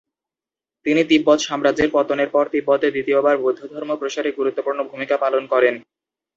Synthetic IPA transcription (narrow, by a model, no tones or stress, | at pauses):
t̪init̪ibːɔt̪ʃɔmɾad͡ʑeɾpɔt̪oneɾpɔɾt̪ibːɔt̪ed̪it̪iobaɾbud̪ʱːod̪ʱɔɾmopɾoʃaɾeɡuɾut̪ːopuɾnobʱumikapalonkɔɾen